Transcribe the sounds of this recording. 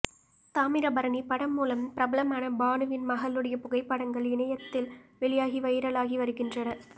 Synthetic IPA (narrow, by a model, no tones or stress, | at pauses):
t̪aːmɪɾɐbɐɾɐɳipɐɽɐmːuːlɐmpɪɾɐbɐlɐmaːnɐbaːnɯʋɪnmɐɣɐlːɯɽɐjɐpʊɣɐɪpːɐɽɐŋɡɐɭɪnɐjɐt̪ːɪlʋɛɭɪjaːɣiʋɐjɪɾɐlaːɣiʋɐɾɯɣɪndrɐnɐ